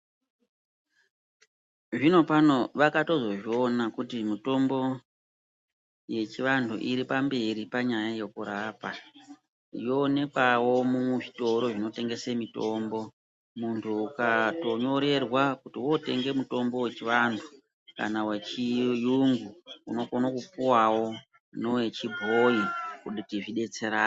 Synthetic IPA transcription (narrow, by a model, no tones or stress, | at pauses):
ʐino̞pano̞ʋakato̞zo̞ʐio̞nakutimuto̞mbo̞ | je̞t͡ʃiʋandʰṵʔiɾipambe̞ɾipaɲajaje̞kuɾaːpa | jo̞ne̞kawo̞muʐito̞ɾo̞ʐino̞te̞ŋɡe̞semito̞mbo̞ | muntʰuːkato̞ɲo̞ɾe̞rwakutiwo̞te̞̰ŋɡe̞muto̞mbo̞we̞t͡ʃiʋantʰu̥ | ka̰nawet͡ʃijuŋɡuuno̞konokupuwawo̞ | nowe̞t͡ʃibʱoikuɗitiʐiɗe̞t͡se̞ɾaː